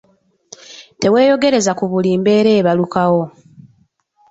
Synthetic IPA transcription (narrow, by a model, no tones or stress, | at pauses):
te̞we̞ːjo̞ɡe̞ɾe̞zakuβuliːmbe̞ːɾe̞ːβalukawo̞